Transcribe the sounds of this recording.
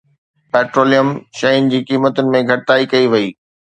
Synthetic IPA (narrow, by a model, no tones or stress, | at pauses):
pɛːʈɾoːlijəmʃɐinɪd͡ʑiːkiːmət̪ʊnɪ̆mẽɡʱɐʈɪt̪aːikɐiʋɐiː